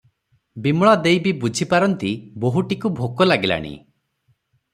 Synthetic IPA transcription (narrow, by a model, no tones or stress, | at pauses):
bimɭad̪ejbibud͡ʒʱipaɾɔnt̪iboɦuʈikubʱokɔlaɡila̰ɽ̃ḭ